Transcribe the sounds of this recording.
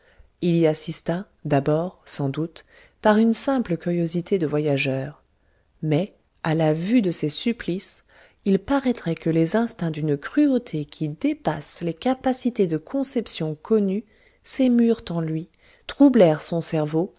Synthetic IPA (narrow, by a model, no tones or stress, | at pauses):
iliasist̪a | d̪abɔʁsɑ̃d̪ut̪ | paʁynsɛ̃pləkʲyʁjozit̪ʰed̪əvwajaʒœːʁ | mɛ | alavyd̪əsesyplis | ilpaʁɛt̪χɛkəlezɛ̃st̪ɛ̃d̪ynkχyot̪ʰekʲʰid̪epaslekapasit̪ed̪əkʰɔ̃sɛpsjɔ̃kʰɔny | semyʁt̪ɑ̃lɥi | t̪χublɛʁsɔ̃sɛʁvo